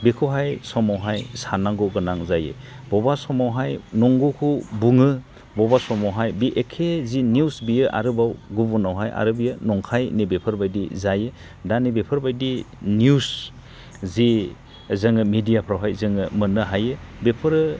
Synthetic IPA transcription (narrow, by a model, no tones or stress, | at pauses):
bikʰuwɦajsɔmawɦajsanaŋɡɔɡɯnaŋzajḛ | bɔbasɔmawɦajnɔŋɡukʰubuŋɯ | bɔbasɔmawɦajbiʔekʰeziniusbijɯʔa̰ɾɯbawɡubunawɦajʔa̰ɾɯbijɯnɔŋkʰajnebepʰɯɾbajdizaje | danibepʰɯɾbajdinius | zi | zɯŋɯmidijapʰɾawɦajzɯŋɯmɯnɯɦajɯbepʰɯɾɯ